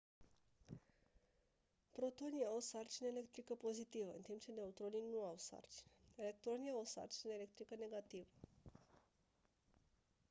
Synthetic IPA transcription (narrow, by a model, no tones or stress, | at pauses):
pɾo̞t̪o̞nijawosart͡ʃineele̞k̚t̪ɾikəpo̞zit̪ivəɨ̰nt̪impt͡ʃe̞ne̞ut̪ɾo̞ninuawsa̰rt͡ʃi̥neele̞k̚t̪ɾo̞niaosa̰rt͡ʃineelek̚t̪ɾikəne̞ɡat̪ivə